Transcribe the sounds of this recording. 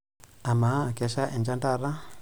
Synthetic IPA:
a˨ma˨˦kɛ˨ʃa˦ʔɛ˨nd͡ʒa˦ndaɾa˦

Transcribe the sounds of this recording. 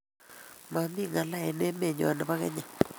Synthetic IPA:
ma˨mi˦˨ŋa˨la˦ɛ˨nɛ˦me˦˨ɲɔ̰˨na˨pa˦kɛ̰˦ɲa˨

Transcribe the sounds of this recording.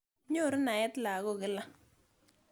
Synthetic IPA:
ɲo˦˨ɾɪ˦na˨ɛ˦tla˨ɣɔ˦˨ɡɪ˨˦la˦

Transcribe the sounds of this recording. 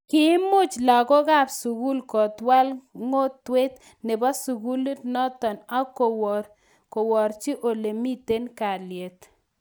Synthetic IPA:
kɪ˦mʊ˦t͡ʃla˨kɔ˦ka˦˨psu˨ku˦lkɔ˨t̪wa˦lŋo˦twe˦t̪ | nɪ˨ba˦su˨ɡu˦lu˦tnɔ˦tɔ˨na˦ko | kɔ˨wɔ˨ɾt͡ʃi˦ʔo˨le˨mi˦te˦nka˨lje˨t̪

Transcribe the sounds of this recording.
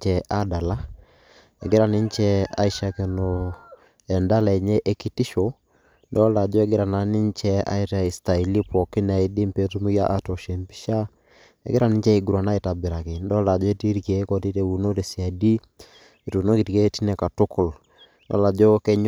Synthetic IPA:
t͡ʃɛ˨ʔa˦da˨la˦ | e˨ɡe˦ɾa˨ni˦ɲ˦t͡ʃɛ˦a̰˦i˦ʃa˦ke˨no˨ | ɛ˨nda˦lɛ˨ɲɛ˦ʔe˦ki˦ti˦ʃo˨ | ndɔ˦la˨d͡ʒɔ˦ɛ˦ɡɪ˦ɾa˨na˨ni˦ɲt͡ʃɛ˦a̰˦i˦ta˨i˨sta˨i˨li˦pɔ˨kɪ˦n˨a˨i˨˦di˦mpe˦tu˦mu˦ja˦ʔa˦tɔ˨ʃe˨mpi̥˦ʃa˦ | ɛ̰˨ɡe˦ɾa˨ni˦ɲ˦t͡ʃɛ˦i˨ɡu˨ɾwa˨na˦e˨ta˨bɪ˨ɾa˨ke˨ndɔ˦la˨d͡ʒɔ˦e˦ti˦ɾi˨ke˨˦kɔ˨ti˦te˦u˨no˦ɾe˨si˨a˨di˦ | e˨tu˨no˦ki˨ti˨ke˦ti˦nɛ˨ka˨tʊ˦kʊ˨l | ndɔ̰˦la˨d͡ʒɔ˦kɛ˦ɲ

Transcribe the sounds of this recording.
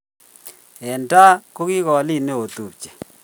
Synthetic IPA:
ɛ˨nda˦ko˦ɣi˦ɣɔ˨li˦ne˦o˨t̪u˨t͡ʃɛ̥˨

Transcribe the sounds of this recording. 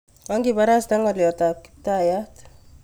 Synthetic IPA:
ɔ˦ŋɡiba˦ɾa˦sta˦ŋɔljɔ˨ta˨ki̥p̚ta˦˨jat

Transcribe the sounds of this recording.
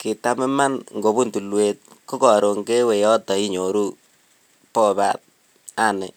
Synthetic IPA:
kɪ˨ta˦mɛ˦ma˦nŋɡo˨bu˦ntu˨lwe˨t̚ko˦kɔ˨ɾo˨ŋke˦we˨jɔ˦tɔ˨i˦ɲo˨ɾu˦ | pɔ˦ba̰˦t̚ | a˦nɪ˨

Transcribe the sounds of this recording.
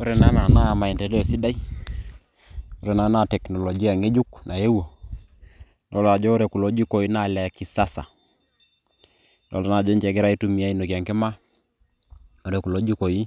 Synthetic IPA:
o˦ɾe˨na˦na˨na˦˨ma˨i˨ntɛ˨de˦o˨si˦da˦i˦ | o˦ɾe˨na˨˦na˦˨tɛ˨knɔ˨lo˨d͡ʒi˦a˨ŋe˦d͡ʒu˦knʔa˨je˦wo˨ | lɔ˦la˨d͡ʒoː˦ɾe˨ku˨lo˦d͡ʒi˦ko˨i˦na˨lɛ˨ki˨sa˦sa̰˨ | lɔ̰˨lɔ˨˦na˨d͡ʒo˦ɲt͡ʃɛ˨ɡɪ˦ɾa˦i˦tu˦mi˨a˦i˦no˨kja˨ŋke˦ma˦ | o˦ɾe˨ku˨lo˦d͡ʒu˦ko˨i˦

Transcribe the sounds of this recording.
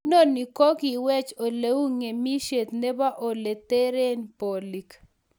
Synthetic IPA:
no˦ni˨kɔ˦ki˨wɛ˦t͡ʃo˨le˨˦u˦ŋe˨mi˦ʃe˨t̪ne˦ba˦ʔo˨le˨t̪e˦ɾe˦npo˨li˨k

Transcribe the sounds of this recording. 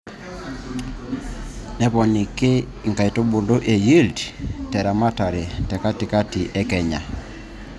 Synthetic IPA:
nɛ˦pɔ˨ni˨ke˦ | ŋ̩˨ka˨i˨to˦bo˨lo˦ʔe˨ji˦ldtɛ˨ɾa˨ma˦ta˨ɾe˨tɛ˨ka˦ti˨ka˦ti˨ʔɛ˦kɛ˨ɲa̰˨

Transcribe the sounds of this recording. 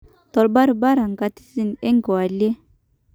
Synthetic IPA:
tɔ˨lba˦ɾu˨ba˦ɾa˨ŋɡa˨ti̥˦si˦˨ne˦ŋ˦ɡo˨a˨li˦e˦

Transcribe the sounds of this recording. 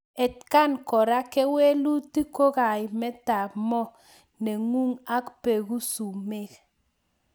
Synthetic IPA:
ɛ˨tka˦nkɔ˨ɾa˦kɛ˦we˦lu˦ti˦ko˦ka˨jmɛ˦ta˨mɔ˦ | nɛ˨ŋu˦ŋa˦kpe˨ku˦su˨me˦k

